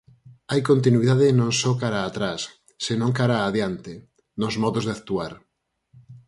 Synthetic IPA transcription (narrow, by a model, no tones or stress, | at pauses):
ajkont̪̬inwiðaðɪnõŋsɔkaɾaːt̪ɾasː | enõŋkaɾaːðjant̪ɪ | nozmɔðozðeak̚t̪uaɾ